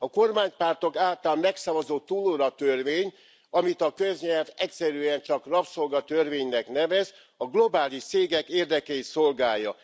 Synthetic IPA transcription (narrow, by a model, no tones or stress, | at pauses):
ɒko̞rmaːɲpaːrt̪o̞kaːlt̪aːlmɛksɒvɒzoːt̪ːuloɾɒt̪ørveːɲ | ɒmit̪ɒkø̞zɲɛlvɛcsɛɾyɛnt͡ʃɒkrɒpso̞lɡɒt̪ørveːɲnɛknɛvɛz | ɒɡlo̞baːliʃt̪seːɡɛkeːrd̪ɛkɛit̪so̞lɡaːjɒ